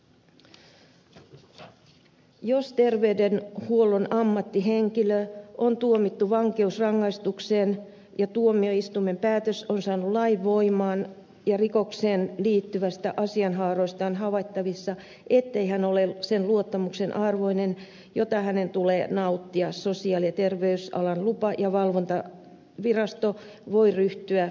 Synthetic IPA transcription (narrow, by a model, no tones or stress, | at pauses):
jost̪erʋeydenhuolonɑmːɑt̪ːiɦeŋkiløʔont̪uomit̪ːuʋɑŋke̞usrɑŋːɑist̪ukseːn | jɑt̪uomioist̪umːempæːt̪øsonsɑːnulɑiʋːo̞imɑːn | jɑrikokseːnliːt̪ːyʋæst̪æ̰ʔɑsiɑnhɑːroist̪ɑːnhɑʋɑit̪ːɑʋisːɑ | ʔet̪ːeihænolesenluot̪ːɑmuksenʔɑrʋoinen | jot̪ɑhænent̪uleːnɑut̪ːiɑsosiɑljɑt̪erʋeysɑ̰lɑnlupɑjɑʋɑlʋont̪ɑ | ʋirɑst̪o | ʋoiryht̪yæ